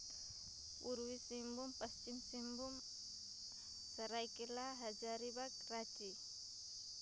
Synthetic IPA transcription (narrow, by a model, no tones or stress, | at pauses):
uɾwisimbumpɐst͡ʃimsimbum | səɾajkelaɦad͡ʒaɾibakɾat͡ʃi